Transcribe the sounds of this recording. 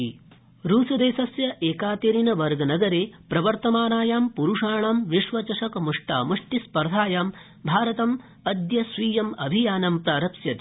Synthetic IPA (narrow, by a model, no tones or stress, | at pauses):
ɾuːsɐd̪eːsɐsjɐʔeːkaːt̪eːɾinɐʋɐɾɡnɐɡɐɾeːpɾɐʋɐɾt̪ɐmaːnaːjaːmpuɾuʂaːɳaːmʋiʂʋɐt͡ʃɐʂɐkɐmuʂʈa̰ːmuʂʈispɐɾd̪ʱaːjaːm | bʱaːɾɐt̪ɐm | ɐd̪jɐsʋiːjɐmɐbʱijaːnɐmpɾaːɾɐpsjɐt̪i